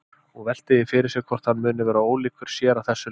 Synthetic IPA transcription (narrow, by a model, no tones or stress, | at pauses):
ɔɣvɛl̥t̪ɪðɪfɪɾɪɾ̥sɛɣkʰvɔr̥t̪hanːmʏːnɪvɛːɾaoːwliːkvʏɾ̥sjɛːɾawθɛsːʏ